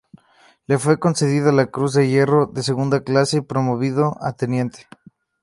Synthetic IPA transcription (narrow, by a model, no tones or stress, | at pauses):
le̞fwe̞ko̞nse̞ð̞iðalakɾuzðe̞ʝe̞ro̞ðe̞seɣund̪aklaseipɾo̞mo̞β̞ið̞o̞ʔa̰t̪e̞njẽ̞nt̪e̥